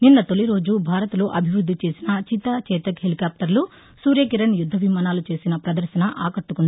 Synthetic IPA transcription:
ninːɐt̪oliɾo̞ːd͡ʒubʱaːɾɐt̪lo̞ːʔɐbʱiʋɾud̪ʱːit͡ʃe̞ːsinɐt͡ʃit̪ɐt͡ʃɛːt̪ɐkɦelikaːp̚ʈɐɾlu | suːɾjɐkiɾɐnjud̪ʱːɐʋimaːnaːlut͡ʃe̞ːsinɐpɾɐd̪ɐɾʃɐnɐʔaːkɐʈːukund̪

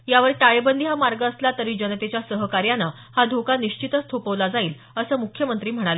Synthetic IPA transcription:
jaʋəɾʈajbənd̪ʱiɦamaɾɡəːslat̪əɾiːd͡ʑənət̪et͡ɕjasəɦəkaɾjana | had̪ʱokaniɕt͡ɕit̪əst̪ʰopəʋlad͡zaiːl | əsəːmukʰːjəmənt̪ɾiːm̤əɽ̃ale

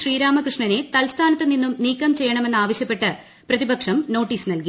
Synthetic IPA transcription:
ʂriːɾaːmɐkrɨʂɳɐne̞t̪ɐlst̪ʰaːnɐt̪ːɨninːumniːkːɐmt͡ɕe̞jːɐɳɐme̞nːaːʋɐɕjɐpːe̞ʈːɨ | prɐðibɐkʂɐmno̞ːʈːiːsnɐlki

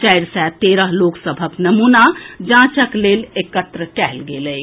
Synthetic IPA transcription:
t͡ʃajɾsɛt̪eɾəɦloksəbʱəknəmunad͡ʒãt͡ʃəklelekət̪ɾəʈɛɦlɡelə

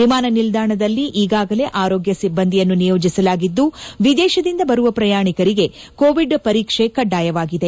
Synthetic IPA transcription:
imaːnɐnild̪ʱaːɳɐd̪ɐlːiʔiːɡaːɡɐle̞ʔaːɾoːɡjɐsibːɐnd̪ijɐnːunijo̞ːd͡ʒisɐlaːɡid̪ːuʋid̪ɛːʃɐd̪ind̪ɐbɐɾuʋɐpɾɐjaːɳikɐɾiɡe̞ | koːʋiɖpɐɾiːkʂekɐɖaːjɐʋaːɡid̪e

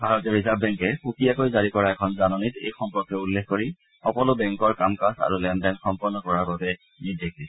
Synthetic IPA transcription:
bʱaɹɔtɛɹizabbɛŋkɛpukijakojzaɹikɔɹaɛkʰɔnzanɔnitejxɔmpɔɹkːɔulːexkoɹi | xɔkɔlʊbɛŋkɔɹkamkasa̰ɹulɛndɛnxɔmpɔɹnːɔkɔɹaɡɔtɛ | nideki

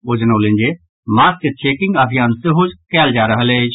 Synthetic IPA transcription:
od͡ʒnoːlẽnd͡ʒe | maːst͡ʃet͡ʃʰeːkɪ̃ŋɡɐbijaːnseɦod͡ʒkɛːld͡ʒaːɾɐɦled͡ʒ

